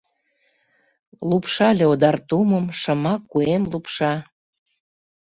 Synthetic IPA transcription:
lupʃɑlʲeod̪ɑrt̪uməmʃɤ̆mɑkːuemlupʃɑ

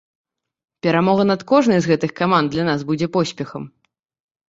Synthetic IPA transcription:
pʲɛɾamɔɣɐnɐt̪kɔʐnɐjzɣɛt̪ɨxkamand̪lʲanazbud͡zʲɛpɔsʲpʲɛxɐm

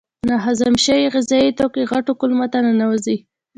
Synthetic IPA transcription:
naɦazamʃaiɣɪzɑjit̪okeɣaʈokʊlmat̪ananawazi

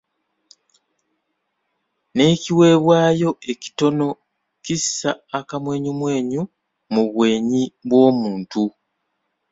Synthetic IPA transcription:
ne̞ːciwe̞ːβwaːjo̞e̞ci̥to̞no̞ | cisaːkamwe̞ːɲumwe̞ːɲu | muβwe̞ːɲiβwo̞ːmuːntu

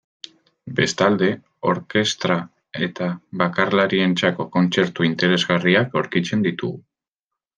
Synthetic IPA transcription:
be̞st̪ald̪e̞ | o̞ɾke̞st̪ɾa | e̞t̪aβakarlaɾie̞nt͡sako̞ko̞nt͡se̞ɾt̪uint̪e̞ɾe̞zɣariakoɾkit͡se̞nd̪it̪uɣu

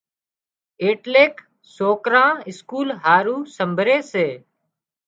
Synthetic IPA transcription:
eːʈleːk | soːkɾãːnɪskuːlɦaːɾuːsəmbʱɾeːseː

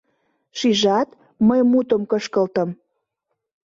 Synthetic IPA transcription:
ʃiʒɑt̪ | məjmut̪əmkəʃkəlt̪ə̆m

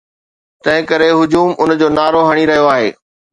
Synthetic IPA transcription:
t̪ɐ̃ɦɪ̃kɐɾeɦʊd͡ʑuːmʊnd͡ʑoːnaːɾoɦɐɽ̃iɾɐɦijoaːɦḛː

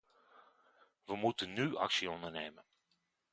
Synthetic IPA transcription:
ʋəmutənːyʔɑ̰ksiɔndərneːmən

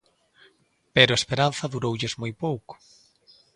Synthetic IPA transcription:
peɾʊaespeɾan̟θɐðuɾowʎɪzmojpowkʊ̥

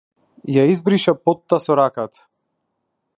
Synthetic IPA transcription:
jaizbɾiʃapɔt̪ːasɔɾakat̪ḁ

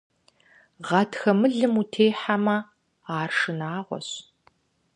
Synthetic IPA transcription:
ʁɐtʰxɐmɨɮɨmutʰeːħamɐ | aːrʂɨnaːʁʷɔ̰ɕ

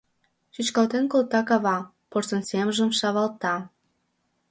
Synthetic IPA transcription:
ʃyt͡ɕkɑlt̪enkolt̪ɑkɑβɑ | porsənseməʒə̆mʃɑβɑlt̪ɑ

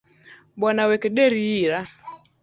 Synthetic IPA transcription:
ɓwanawɛkeɗɛɾiiɾa

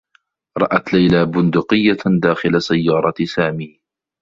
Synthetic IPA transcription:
ɾˤɑʔat̪lajlaːbʊnd̪ʊqɪjːad̪aːxɪlasajːɑːɾˤɑt̪saːmiː

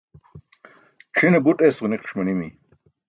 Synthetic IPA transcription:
ʈ͡ʂʰinebutʼesʁuniqʰʂmɐnimi

